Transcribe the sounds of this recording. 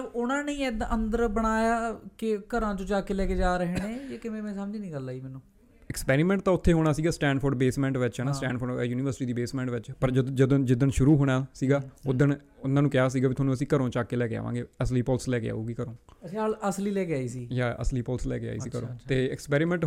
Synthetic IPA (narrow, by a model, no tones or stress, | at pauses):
əbʊnãːneĩːd̪ənd̪əɾbəɽ̃aːjaːkɪkəɾãːt͡ʃõːt͡ʃaːkeːlɛːkeːd͡ʒaːɾəɦenẽːjaːkɪmẽːmẽːsaːmd͡ʒiːnĩːɡəlaːiːmɛːnũː | ɪkspɛːɾiːmɛ̃ːɳʈ̚t̪ãːʊt̪ʰːeːɦoːɽ̃aːsiːɡaːsʈɛ̃ːɳɖfʰʊɾɖ̚beːsmɛ̃ːɳʈʋɪt͡ʃɦɛːnaːsʈɛ̰̃ːɳɖfʰoɾɛːjuːniːʋəɾsɪ̥ʈiːd̪iːbeːsmɛ̃ːɳʈʋɪt͡ʃpəɾd͡ʒəd̪d͡ʒəd̪õːd͡ʒɪd̪ənʃʊɾuːɦoːɽaːsiːɡaːʊd̪ən | ʊnãːnũːkɪjaːs̬iːɡaːbit̪ʰoːnũːəs̬ĩːkəɾõːt͡ʃaːkeːlɛːkea̰ːʋã̰ːɡeːəsliːpɔːlslɛːkḛa̰ːuːɡiːkəɾõːĩaːləsliːlɛːkeaːiːsiːjaːə̰sliːpɔːlslɛ̰ːkea̰ːḭːsiːkəɾõ̰ːt̪eːɪkspɛːɾiːmɛ̃ːɳʈ